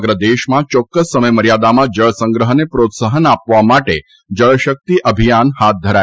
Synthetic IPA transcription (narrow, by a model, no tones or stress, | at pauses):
ɡɾəd̪eʃmãt͡ʃɔkːəsːəməjməɾjad̪amãd͡ʒəɭsə̃ŋɡɾəɦənepɾot̪səɦənapʋamaʈe | d͡ʒəɭʃək̚t̪iʔəbʱijanhat̪̚d̪ʱəɾa